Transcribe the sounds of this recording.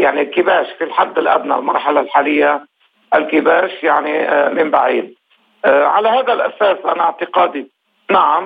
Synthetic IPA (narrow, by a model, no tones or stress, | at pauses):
jaʕnilkɪbaːʃfilħad̪ːɪlʔa̰bna̰lmɑ̰ɾˤħalalħaːlɪjːa | ʔalkɪbaːʃjaʕnimɪmbaʕiːd̪̚ | ʕalahaːd̪alʔasaːsʔanaʕt̪ɪqɑːd̪i | naʕam